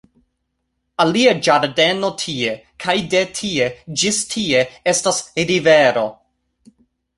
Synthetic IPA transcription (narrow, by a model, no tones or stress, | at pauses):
aliad͡ʒaɾde̞no̞tʰiekʰajde̞tʰie̞d͡ʒistʰie̞e̞stasɾiveɾo̞